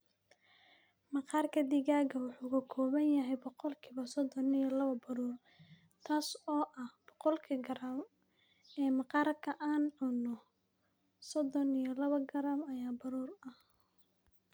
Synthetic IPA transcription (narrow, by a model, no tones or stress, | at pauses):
mɑqɑːrkʰɐd̪ɪɣaːɣɐwʊħuːkʰɐkʰɔːβɐnjɐɦɛjbɔqɔlkʰiːβɐsɔd̪ɔnijɔlɐβɐbɐɾuːr | t̪ʰaːsɔːʔɐhb̥ɔqɔlkʰɐɡɐɾam | ɛːmɑqɑːrkʰɐʔaːnʕʊnɔ | sɔd̪ɔnijɔlɐβɐɡɐɾamɐjaːbɐɾuːrɐh